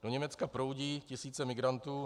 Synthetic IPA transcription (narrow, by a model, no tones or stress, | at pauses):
d̥o̞ɲɛmɛt͡skapɾo̞wɟiːcɪsiːt͡sɛmɪɡɾant̪uː